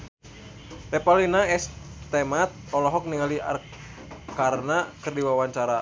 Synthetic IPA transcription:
tɛpalinaɛst̪ɛmat̪̚ɔlɔɦɔk̚niŋalia̰r | kaɾnakɨrdiwawaɲt͡ʃaɾa

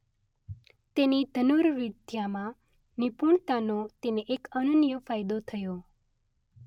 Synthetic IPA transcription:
t̪enid̪ʱənuɾɾid̪jamã | nipuɳt̪anot̪eneʔekənənjəfajd̪ot̪ʰəjo

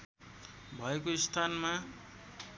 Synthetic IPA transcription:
bʱʌekoist̪ʰanma

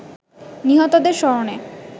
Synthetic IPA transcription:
niɦɔt̪od̪eɾʃɔɾone

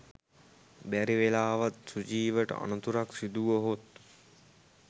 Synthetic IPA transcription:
bæɾiʋelaːʋat̪̚sud͡ʒiːʋəʈə̰a̰nut̪uɾaksid̪uʋəɦot̪

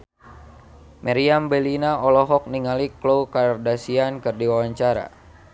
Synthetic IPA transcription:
mʔaɾiambɛlinaɔlɔɦɔk̚niŋaliklowkardasiankɨrdiwawaɲt͡ʃaɾa̰

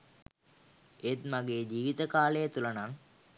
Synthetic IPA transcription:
et̪maɡeːd͡ʒiːʋit̪əkaːlejət̪ulɐnaŋ

